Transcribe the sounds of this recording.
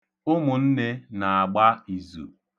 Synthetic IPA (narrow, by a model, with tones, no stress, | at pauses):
ʊ˦mʊ˨n̩˦ne˦na˨a˨ɡ͡ba˦i˨zṵ˨